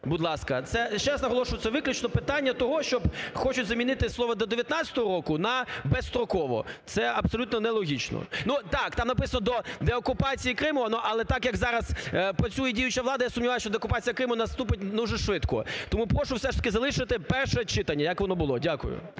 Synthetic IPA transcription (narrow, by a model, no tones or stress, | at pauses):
bʊd̪lˠɑskɐt̪sɛʃt͡ʃɛɾaznɐɦɔlˠɔʃʊʋɐt̪t͡s̪ʲsɛʋɪklʲʊt͡ʃnɔpɪt̪anʲːɐt̪ɔɦɔʃt͡ʃɔbxɔt͡ʃʊtʲzɐmʲinɪt̪ɪslˠɔʋɐd̪ɔd̪eʋjɐt̪nat͡sʲɐ̥t̪ɔɦɔɾɔkʊnɐbɛst̪ɾɔkɔʋɔ̰t̪sɛɐpsɔlʲut̪nɔnɛlˠɔɦʲit͡ʃnɔ̰nut̪ɑkt̪ɑmnɐpɪsɐnɔd̪ɔd̪ɛɔkʊpɑt͡sʲijikɾɪmʊnɔʔɐlˠɛt̪ɑkjɐkzɑɾɐz̥pɾɐt͡sʲujiijʊt͡ʃɐʋlˠɑd̪ɐjasʊmnʲiʋajʊʃt͡ʃɔd̪eɔkʊpɑt͡sʲijɐkɾɪmʊnɐst̪upɪt̚ʲnuʒɛʃʋɪt̪kɔ̰t̪ɔmupɾɔʃʊwsɛʂt̪ɐkʲɪzɐlˠɪʃɪt̪ɪpɛrʃɛt͡ʃɪt̪ɐnʲːɐjɐkʋɔnɔbʊlˠɔdʲakʊ̰jʊ̰